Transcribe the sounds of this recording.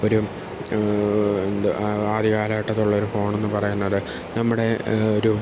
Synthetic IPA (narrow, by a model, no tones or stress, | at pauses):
o̞ɾu | end̪ɨaːd̪iɣaːlɐjʈːɐt̪ːuɭːɐo̞ɾufo̞ːɳe̞nːɨpɐrɐjunːɐðɨ | nɐmːuɽe̞oɾu